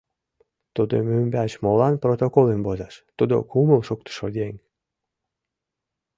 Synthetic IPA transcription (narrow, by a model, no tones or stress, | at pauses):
t̪ud̪o̰mymbæt͡ɕmolɑnprot̪okolembozɑʃt̪ud̪o̰kuməlʃuk̚t̪ə̥ʃod̪eŋ